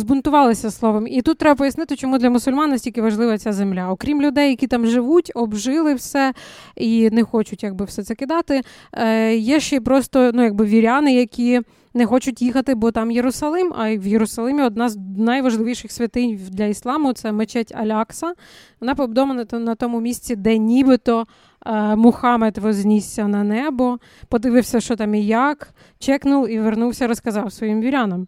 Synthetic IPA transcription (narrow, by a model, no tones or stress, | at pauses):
zbʊnt̪ʊʋɑlˠɪsʲɐslˠɔʋɐmit̪ut̪ːɾɛbɐpɔjɐsnɪt̪ɪt͡ʃɔmud̪lʲɐmʊsʊlʲmɑnːɐsʲtʲilʲkɪʋɐʒlˠɪʋɐt͡sʲazemlʲaɔkɾʲimlʲʊd̪ɛjːɐkʲit̪ɑmʒɪʋutʲɔbʒɪlˠɪwsɛ | inɛxɔt͡ʃʊtʲjɐɡ̚bɪwsɛt̪sɛkɪd̪ɑt̪ɪ | jɛʃt͡ʃɛipɾɔst̪ɔnujɐɡ̚bɪʋʲiɾʲɑnɪjɐkʲi | nɛxɔt͡ʃʊtʲjixɐt̪ɪbɔt̪ɑmjeɾʊsɐlˠɪmɐwjeɾʊsɐlˠɪmʲiɔd̪̚nɑznɐjʋɐʒlˠɪʋijʃɪxsʲʋʲɐt̪ɪnʲd̪lʲɐislˠɑmʊt̪sɛmet͡ʃɛtʲɐ̰lʲɑksɐ | ʋɔnɑpɔbd̪ɔmɐnɐnɐt̪ɔmʊmʲisʲt͡sʲid̪ɛnʲibɪt̪ɔ | mʊxɑmɛt̪ʋɔzʲnʲisʲːɐnɐnɛbɔ | pɔd̪ɪʋɪwsʲɐʃt͡ʃɔt̪ɑmijɑk | t͡ʃɛknʊlˠiʋernuwsʲɐɾɔskɐzɑwsʋɔjimʋʲiɾʲanɐm